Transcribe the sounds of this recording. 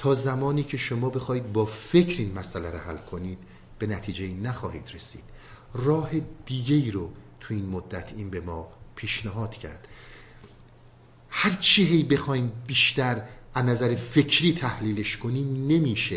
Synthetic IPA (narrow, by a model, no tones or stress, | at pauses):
t̪ʰɒːzæmɒːniːcʰe̞ʃomɒːbe̞xɒːiːd̪̚bɒːfe̞cʰɾiːnmæsʔælæɾohælkʰo̞niːd̪̥ | b̥e̞næt̪ʰiːd͡ʒe̞iːnæxɒːhḭːd̪ɾesḭːd̪̥ | rɒːhe̞d̪iːɡe̞iːɾot̪ʰuiːnmod̪ːæt̪ʰiːnbe̞mɒːpʰiːʃneɦɒːd̪̥cʰæ̰ɾd̪̥ | hæɾt͡ʃʰiɦe̞jbe̞xɒːjiːmbiːʃt̪æɾʔæznæzæɾefe̞cʰɾiːt̪ʰæhliːle̞ʃkʰo̞niːmne̞miːʃe